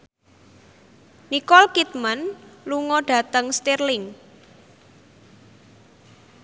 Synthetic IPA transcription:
nikɔlkit̪̚mənluŋɔɖ̥ä̤t̪əŋst̪irlɪŋ

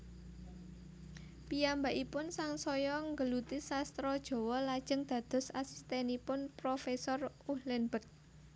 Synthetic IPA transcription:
piambaʔipʊnsaŋsɔjɔŋɡəlut̪isast̪ɾɔd̥ʒ̥ɔ̤wɔlad̥ʒ̥ə̤ŋd̪̥ä̤d̪̥ɔ̤sasi̥st̪ɛnipʊnpɾofesɔr | uhlɛnbək̚

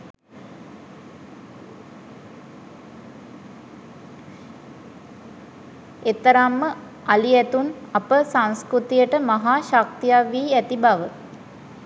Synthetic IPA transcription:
et̪əɾamːə | aliæt̪unapəsaŋskɾut̪ijəʈəmaɦaːʃak̚t̪ijaʋːiːæt̪ibaʋə

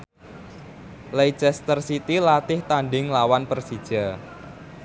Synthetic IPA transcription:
lejt͡ʃɛst̪ərsit̪ilat̪ɪht̪aɳɖɪŋlawanpərsid̥ʒ̥a

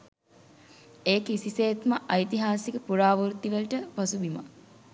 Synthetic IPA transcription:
eːkisiseːt̪məʔɐjt̪iɦaːsikəpuɾaːʋuɾt̪ːiʋəlʈəpɐsubima̰

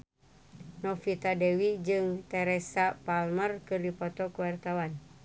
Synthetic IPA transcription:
nɔfit̪adɛwid͡ʒɨŋt̪ɛɾɛsapalmərkɨrdipɔt̪ɔkuwart̪awan

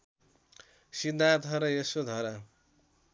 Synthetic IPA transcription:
sid̪ʱːant̪ɦʌɾʌjesod̪ʱʌɾʌ

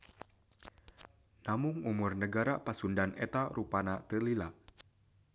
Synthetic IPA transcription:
namʊŋumʊrnəɡaɾapasundanet̪aɾupanat̪əlilaʔ

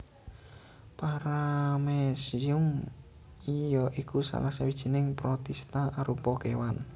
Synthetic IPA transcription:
paɾamesiʊm | ijɔʔikusa̰lahsawid̥ʒ̥i̤nɪŋpɾɔt̪ɛst̪aʔaɾupɔkewan

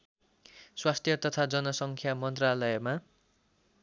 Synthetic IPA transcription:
swast̪ʰjʌt̪ʌt̪ʰad͡zʌnʌsʌŋkʰjamʌnt̪ralʌjma

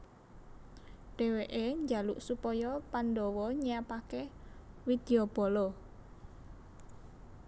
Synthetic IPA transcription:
ɖ̥e̤weʔeɲd͡ʒalṵʔsupɔjɔpandɔwɔɲapake | wid̪̥i̤ob̥ɔ̤lɔ

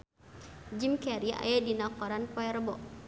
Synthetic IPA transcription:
d͡ʒimkɛɾia̰jadinakɔɾanpɔɛrbɔʔ

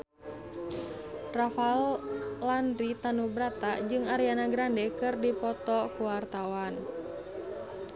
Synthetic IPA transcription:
rafallandɾit̪anubɾat̪ad͡ʒɨŋaɾianaɡɾandɛkɨrdipɔt̪ɔkuwart̪awan

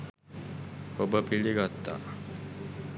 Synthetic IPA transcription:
kobəpiɭiɡat̪ːa̰

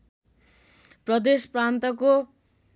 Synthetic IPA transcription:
prʌd̪esprant̪ʌko

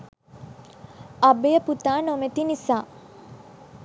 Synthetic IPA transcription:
ɐbejəput̪aːnomet̪inisaː

